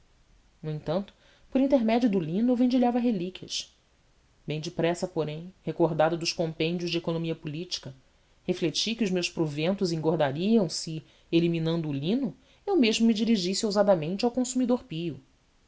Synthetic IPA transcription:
nuẽt̪ɐ̃nt̪ʊ̥ | pʊɾĩnt̪eɾmɛd͡ʒijʊd̪ʊlĩnʊevẽnd͡ʒiʎavɐɦelikʲiɐ̰ʃ | bẽj̃d͡ʒɪpɾɛsɐpoɾẽj̃hekoɦd̪ad̪ɐd̪ʊʃkõmpẽd͡ʒiʊzʒd͡ʒɪekonõmiɐpulit͡ʃi̥kɐ | heflet͡ʃikɪʊzmewʃpɾovẽnt̪ʊzĩŋɡoɾd̪aɾiɐ̃w̃sɪ | eliminɐ̃nd̪ʊːlĩnʊ | ewmeʒmʊmid͡ʒiɾiʒisiowzad̪ɐmẽnt͡ʃawkõsumid̪oɾpiʊ

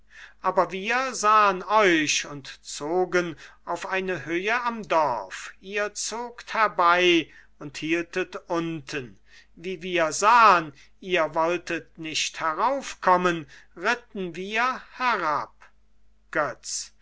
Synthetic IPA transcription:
ʔaːbɐviːɐzaːənɔʏʃʊntt͡soːɡənaʊfʔaɪnəɦøːəamdɔʁfiːɐt͡soːkthɛɐbaɪ | ʊnthiːltətʊntʰən | viːviːɐzaːən | iːɐvɔltətnɪʃthɛʁaʊfkʰɔmənʁɪtn̩viːɐhɛʁap̚ | ɡ̥œt͡s

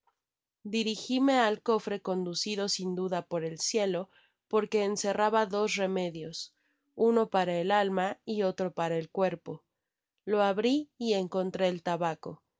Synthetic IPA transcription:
d̪iɾixime̞alko̞fɾe̞ko̞nd̪usiðo̞sind̪uðapo̞ɾe̞lsje̞lo̞ | po̞ɾke̞ːnse̞raβaðo̞sre̞me̞ðjo̞s | uno̞paɾaelalmaio̞t̪ɾo̞paɾaelkwe̞ɾpo̞ | lo̞aβɾiːe̞ŋko̞nt̪ɾe̞ːlt̪aβako̞̰

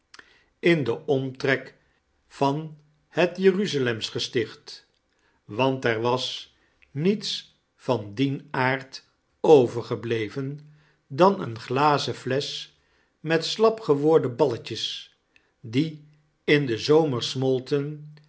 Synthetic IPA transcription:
ɪndəʔɔmtrɛk | v̥ɑn | hətjəryzalɛmsχəstɪχt | ʋɑntɛɹʋɑs | nits | fɑndinaːɹt | owvəɹχəblejvən | dɑnə̰nχlaːzəflɛs | mɛtslɑpχəʋʊːɹdəbɑləcəs | di | ɪndəzowməɹsmɔlˠtən

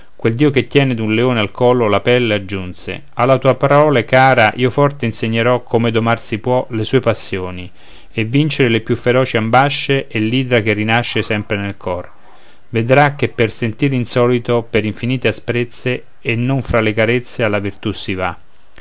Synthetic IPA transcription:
kweld̪iːoket̪ːjɛːned̪unleoːnealkɔːlolapɛlːead͡ʒːunsḛ | alːat̪uːapaɾɔːlekaːɾaʔiofɔrt̪einseɲːeɾɔkʰːomed̪omarsipwɔlesuːepasːjoːni | evːint͡ʃeɾelepjufːeɾɔːt͡ʃiambaʃːeʔelːiːd̪ɾak̟erːinaʃːesɛmpɾenelkʰɔr | ved̪ɾak̟ːepːersent̪iːɾinsɔːlit̪opeɾiɱfiniːt̪easpɾet̪sːeː | nːoɱfɾalekaɾet̪sːealːavirt̪usːiva

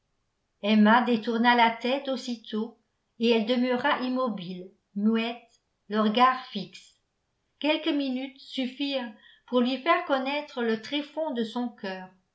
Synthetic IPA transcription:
ɛmad̪et̪uʁnalat̪ɛt̪osit̪ʰo | eɛld̪əmœʁaʔimɔbil | myɛt̪ | ləʁəɡaʁfiks | kʲɛlkəminyt̪syfiːʁpuʁlɥifɛʁkɔnɛt̪χələt̪χefɔ̃d̪əsɔ̃kʰœːʁ

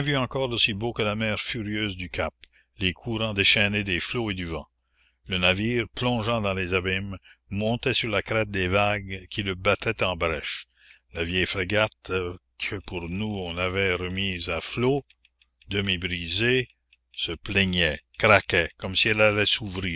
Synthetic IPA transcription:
ɛ̃vyɑ̃kɔːʁdosibokəlamɛːʁfyʁjøːzd̪ykap | lekʰuɾɑ̃d̪eʃɛned̪efloed̪yvɑ̃ | lənaviːʁplɔ̃ʒɑ̃d̪ɑ̃lezabimːɔ̃t̪ɛsyʁlakɾɛt̪̚d̪eːvaɡkʲʰiləbat̪ʰɛt̪ɑ̃bɾɛʃ | lavjɛjfɾeɡat̪ | kʰəpuʁnuɔ̃navɛʁəmiːzaflo | d̪əmibɾize | səplɛɲɛkɾakɛkɔmsiɛlalɛsuvɾiː

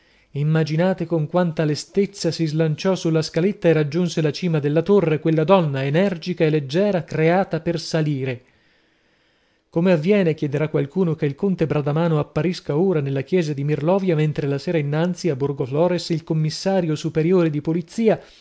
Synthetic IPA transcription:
imːad͡ʒinaːt̪ekoŋkwant̪alest̪et̪sːasizlant͡ʃɔsulːaskalet̪ːaerad͡ʒːunselat͡ʃiːmad̪elːat̪orːekwelːad̪ɔnːaenɛrd͡ʒikaelːed͡ʒːɛːɾakɾeaːt̪apersaliːɾe | komeavːjɛːnekjɛd̪eɾakːwalkuːnokeilkont̪ebɾad̪amaːnoapːaɾiskauːɾanelːak̟jɛːzad̪imirlɔːvjament̪ɾelasɛːɾainːant̪siabːurɡoflɔːɾesilkomːisːaːɾjosupeɾjoːɾed̪ipolit̪siːa

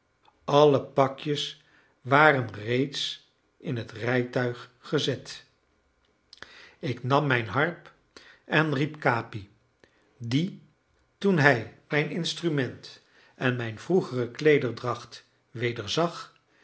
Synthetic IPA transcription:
ɑləpɑkjəs | ʋaːrənrejts | ɪnɦətrɛjtœɥχːəzɛt | ɪknɑmːɛjnɦɑɹp | ʔɛnripkaːpi | di | tunɦɛjmɛjnɪnstrymɛnt | ɛnmɛjnvruχərəklejdəɹdrɑχt | ʋejdəɹzɑχ

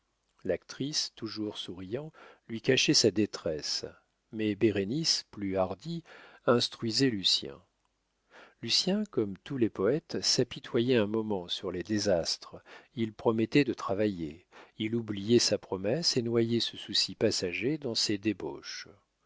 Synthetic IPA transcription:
lak̚t̪χist̪uʒuʁsuʁijɑ̃lɥikaʃɛsad̪et̪χɛs | mɛbeʁenisplyaʁd̪iɛ̃st̪χɥizɛlysjɛ̰̃ | lysjɛ̃kɔmt̪ulɛpɔɛt̪sapit̪ʰwajɛɛ̃mɔmɑ̃syʁled̪ezast̪χilpχɔmɛt̪ɛd̪ət̪χavajeilublijɛsapχɔmɛsenwajɛsəsusipasaʒed̪ɑ̃sed̪ebo̰ʃ

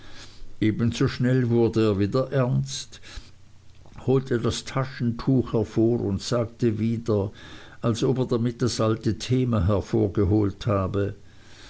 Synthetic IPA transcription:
ʔeːbən̩zoːʃnɛlvʊɐdəeːɐviːdɐʔɛɐnst | hoːltʰədastʰaʃn̩tʰuːxhɛɐfoːʁʊntsaːk̚təviːdɐ | ʔalsʔopeːɐdamɪt̚d̥asʔaltətʰeːmaɦɛɐfoːɐɡəɦoːlthaːbə

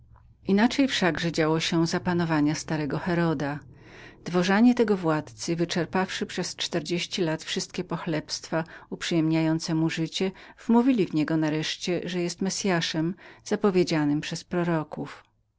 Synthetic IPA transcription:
ʔinat͡ʂɛjfʂaɡʐɛd͡ʑawɔɕɛzapanɔvaɲast̪aɾɛɡɔxɛɾɔd̪a | d̪̥vɔʐaɲɛt̪ɛɡɔvwat̪t̪sɘvɘt͡ʂɛɾpafʂɘpʂɛst͡ʂt̪ɛɾd͡ʑeɕt͡ɕilat̪fʂɘst̪̚kʲɛpɔxlɛpst̪faupʂɨjɛmɲajɔnt̪sɛmuʐɘt͡ɕɛvmuvʲilʲivɲɛɡɔnaɾɛʂt͡ɕɛʐɛjɛst̪mɛsʲjaʂɛmz̥apɔvʲjed͡ʑanɘmpʂɛspɾɔɾɔkuf

